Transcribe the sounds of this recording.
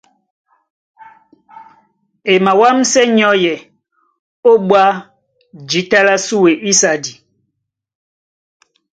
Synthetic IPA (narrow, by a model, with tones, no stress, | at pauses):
e˨ma˨wa˦msɛ˦ɲɔ˦jɛ˨ | o˦ɓwa˦ | d͡ʒi˨˦ta˦la˦su˦we˨i˦sa˨di˨